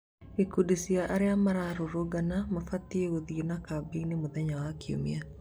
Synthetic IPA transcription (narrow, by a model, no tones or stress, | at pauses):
ikudisiaʔaɾɛamaɾaɾoɾoɡanamafatiewoðionakabinemoðɛɲawakʰio̰mḭa